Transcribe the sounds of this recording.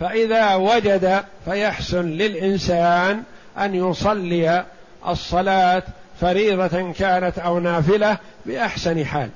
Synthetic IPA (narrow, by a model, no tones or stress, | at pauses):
faʔɪðaːwad͡ʒad̪afajaħsʊnlɪlʔɪnsaːn | ʔanjʊsˤɑlːɪja | ʔɑ̰sˤːɑlaːt̪faɾiːðˤɑkaːnat̪ʔawnaːfɪlabɪʔaħsanħa̰ːl